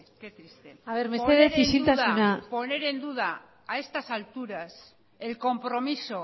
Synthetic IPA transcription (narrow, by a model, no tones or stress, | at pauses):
ket̪ɾist̪eaβeɾmeθeðeθisilt̪aðsaunapo̞ne̞ɾe̞nd̪uðaː | e̞st̪asalt̪uɾas | e̞lko̞mpɾo̞miso̞